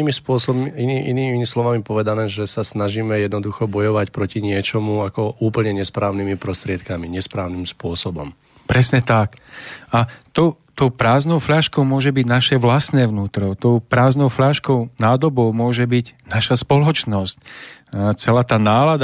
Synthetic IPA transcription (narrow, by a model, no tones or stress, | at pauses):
mispʊɔsɔbiiiʔḭniːmimislɔʋamipɔʋɛd̪anɛːʒɛsasnaʒiːmɛjɛd̪nɔd̪uxɔbɔjɔʋacpɾɔciɲɪɛt͡ʃɔmuakɔʔuːpl̩ɲɛɲɛspɾaːʊnimipɾɔst̪ɾɪɛt̪kamiɲɛspɾaːʊnimspʊɔsɔbɔm | pɾɛsɲɛt̪akat̪ɔʊ | t̪ɔʊpɾaːznɔʊfʎaʃkɔʊmʊɔʒɛbiɟnaʃɛʋlasnɛːʋnuːt̪ɾɔt̪ɔʊpɾaːznɔʊfʎaːʃkɔʊnaːd̪ɔbɔʊmʊɔʒɛbiɟnaʃaspɔlɔt͡ʃnɔsc | t͡sɛlaːt̪aːnaːlad̪